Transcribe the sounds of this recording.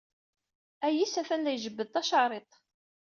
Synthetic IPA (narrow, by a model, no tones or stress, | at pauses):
æjisæfænlæjʒəbːəðt̪ˤɑʃɑɾˤet̪ˤ